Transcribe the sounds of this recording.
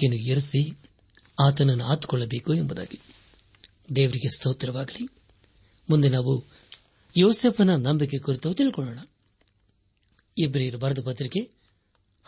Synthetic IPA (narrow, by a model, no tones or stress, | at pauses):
enujeɾɐsi | aːt̪ɐnɐnːuaːt̪u̥kɔɭːɐbeːkuembɐd̪a̰ːɡi | d̪eːʋɐɾiɡest̪oːt̪ɾɐʋaːɡɐli | mund̪enaːʋu | joːseːpʰɐnɐnɐmbik̬ːekuɾit̪oːt̪iɭkɔɭːɐːɳɐ | ebɾiɾɐbɐɾɐd̪ɐpɐt̪ɾikːe